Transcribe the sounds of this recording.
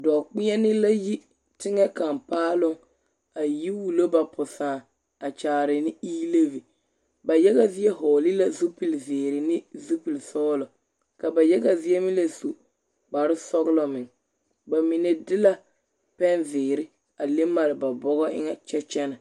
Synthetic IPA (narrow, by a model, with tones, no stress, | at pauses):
dɔː˨k͡pɪ˦a˦nɪ˦la˦ji˦ | tɪ˦ŋɛ˦ka˨mpaː˦lʊ˦ŋ | a˨ji˦wu˨lo˦ba˨pʰʊ˨saː˨ | a˨t͡ʃaː˨ɾɪ˨nɪ˦iː˦le˦vi˨ | ba˨jɛ˦ɣa˦zɪ˦ɛ˦ɦɔː˨lɪ˦la˦zu˦pi˨lzɪː˨ɾɪ˨nɪ˦zu˦pi˨lsɔː˦lɔ˨ | ka˨ba˨jɛ˦ɡa˨zɪ˦ɛ˦mɪ˦la˦su˨ | ba˨ɾɪ˦sɔ˦ɣlɔ˨mɪ˨ŋ | ba˨mɪ˨nɛ˨dɪ˦la˦ | pɛ˦nzɪː˨ɾɪ˦ | a˨le˦ma˨ɾɪ˨ba˨bɔ˦ɣɔ˦ʔɪ̰˦ŋa˨t͡ʃɛ˦t͡ʃɛ˦na˨